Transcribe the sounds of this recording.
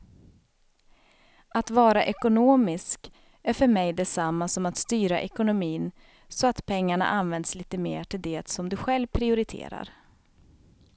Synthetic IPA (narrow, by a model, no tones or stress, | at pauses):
at̪vɑːɾaʔɛkʊnoːmɪsk | æɾfœɾmɛjd̪ɛsamːasɔmat̪st̪yːɾaʔɛkʊnʊmiːn | sɔat̪pʰɛŋːaɳa̰ʔanvɛnd̪sliːt̪əmḛːʈʰɪld̪eːt̪sɔmd̪ɵɧɛlvpʰɾɪʊɾɪt̪ʰḛːɾa̰ɾ